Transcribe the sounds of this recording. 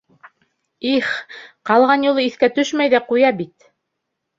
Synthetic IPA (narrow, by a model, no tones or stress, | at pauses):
iχqɑlˠʁɑnjulˠɤiθkæt̪ɵʃmæjðæqujɑbit̪